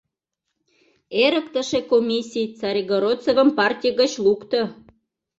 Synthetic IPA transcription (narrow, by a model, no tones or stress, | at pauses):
eɾəkt̪ə̆ʃekomʲisʲijt͡sɑɾʲiɣoɾot͡sovə̆mpɑrtʲijəɣət͡ɕlukt̪ə̆